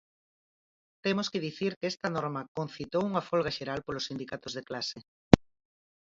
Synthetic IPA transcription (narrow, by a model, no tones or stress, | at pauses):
t̪emoskɪð̞iθiɾkɛst̪ɐnɔɾmɐkon̟θit̪owuŋafɔlɣɐʃeɾalpolosːind̪ikat̪ozð̞eklase